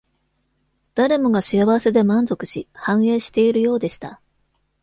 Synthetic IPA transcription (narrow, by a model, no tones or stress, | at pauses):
d̪̥aɾe̞mo̞ɡaɕijaβase̞d̪e̞mãnzo̞kɯ̟̥ɕihãɰ̃e̞ːɕi̥t̪e̞iɾɯ̟jo̞ːd̪e̞ɕi̥t̪a